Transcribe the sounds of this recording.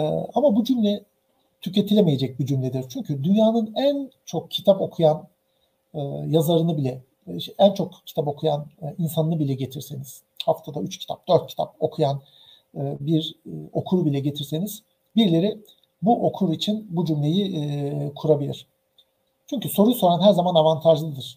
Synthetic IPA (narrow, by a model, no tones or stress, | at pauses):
ɛ̰amabud͡ʒymlʲɛ | t̪ʰyce̞t̪ʰilʲemeje̞d͡ʒɛc̚bid͡ʒymlʲɛd̪iɾ̥t͡ʃʰyɲcʰyd̪ynjaːnɯnænt͡ʃʰo̞k̚cʰit̪ʰapo̞kʰujan | ɯːjazaɾɯnɯbilʲɛ | ænt͡ʃʰo̞kcʰi̥t̪ʰapo̞kʰujaninsanɯnɯbilʲɛɟe̞t̪ʰiɾseniz̥ | haft̪ʰad̪ayt͡ʃcʰi̥t̪ʰap̚d̪̥ø̞ɾt̪̚cʰi̥t̪ʰap̚o̞kʰujan | ɯːbiɾo̞kʰuɾbilʲɛɟe̞t̪ʰiɾseniz̥ | biɾlʲe̞ɾi | buʔo̞kʰuɾit͡ʃʰinbud͡ʒymlʲe̞jikʰuɾabilʲḭɾ̝̥ | t͡ʃʰyɲcyso̞ɾuso̞ɾanɦæɾzamanavant̪ʰaʒlˠɯd̪ɯɾ̥